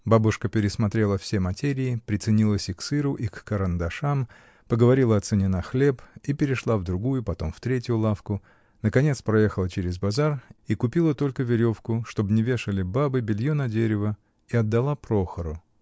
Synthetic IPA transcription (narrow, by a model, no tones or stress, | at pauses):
babʊʂkəpʲɪɾʲɪsmɐt̪ɾʲe̞lˠəfsʲemɐtʲeɾʲɪːpɾʲɪt̪sɨnʲilˠəsʲɪksɨɾʊʔikːəɾɐnd̪ɐʂam | pəɡəvɐɾʲilˠəɐt̪sɨnʲɪnaxlʲe̞pipʲɪɾʲɪʂlˠavd̪ɾʊɡujʊpɐt̪o̞mft̪ɾʲetʲjʊlˠafkʊ | nəkɐnʲe̞t̪spɾɐjexəlˠət͡ɕeɾʲɪzbɐzarikʊpʲilˠət̪o̞lʲkəvʲɪɾʲo̞fkʊʂt̪o̞bnʲɪvʲe̞ʂəlʲɪbabɨbʲɪlʲjonɐdʲeɾʲɪvə | iɐd̪ːɐlˠapɾo̞xəɾʊ